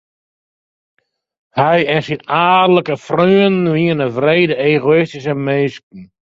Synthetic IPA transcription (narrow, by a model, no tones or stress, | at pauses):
hɛjɛnsinaːdələkəfryəniənəʋrejdəeːɣoɪstis̬əmeːskn̩